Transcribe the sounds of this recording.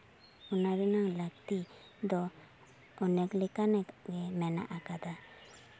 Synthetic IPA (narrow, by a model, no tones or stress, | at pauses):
unaβinaŋlak̚t̪i | d̪ɔː | nɛklikanɛɡemɛna̰ʔakad̪a